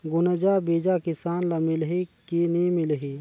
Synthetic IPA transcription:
ɡʊnəd͡ʒabiːd͡ʒakɪsaːnlamɪlɦikinemɪlɦiː

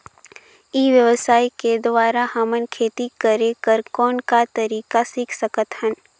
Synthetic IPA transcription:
iːʋjəʋəsaːiked̪ʋaːɾahɐmənkʰeːt̪ikəɾekəɾkɔːnkat̪ɐɾiːkasiːkʰsəkət̪hən

